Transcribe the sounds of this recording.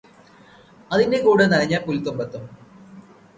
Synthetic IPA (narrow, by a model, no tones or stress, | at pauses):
ɐðindekuːɽenɐɻɐɲːɐpulit̪ːombɐt̪ːum